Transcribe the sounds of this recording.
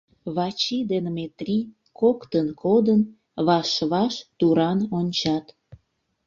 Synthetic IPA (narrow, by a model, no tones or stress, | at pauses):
βɑt͡ɕid̪enmet̪rʲi | kokt̪ənkʰod̪ən | βɑʃβɑʃt̪uɾɑnonʲt͡ɕɑt̪